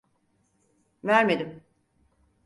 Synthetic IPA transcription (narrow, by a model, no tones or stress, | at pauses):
væɾme̞d̪im